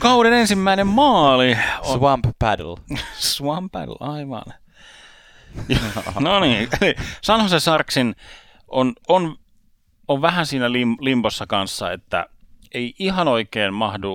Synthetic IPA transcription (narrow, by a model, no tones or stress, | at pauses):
kɑunenensimːæinemmɑːlioswɑmppæ̰dlsʋɑmpæ̰dl̩ɑiʋɑ̰n | noniːelisɑnhɑsesɑrksin | ʔonon | oʋʋæhænsiːnælimlimposːɑkɑnsːɑḛt̪ːæ̰eiihɑnoikeːnmɑhdu